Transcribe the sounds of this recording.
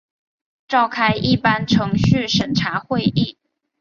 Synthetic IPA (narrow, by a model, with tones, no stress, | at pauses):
ʈ͡ʂɑ˥˩˨ʊkʰa˥ɪʔi˥˨pa˦nʈ͡ʂʰɤ˧˦ŋɕy˥˨ʂə˨˩nʈ͡ʂʰa˨˥˦xwe˥˧ɪʔi˥˨